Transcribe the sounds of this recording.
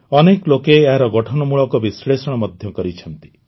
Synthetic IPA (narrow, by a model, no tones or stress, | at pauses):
ɔneklokeːɦaɾɔɡɔʈʰɔnɔmuɭɔkɔbisɭesɔɽ̃ɔmɔd̪ʱjɔkɔɾit͡ʃʰɔnt̪i̥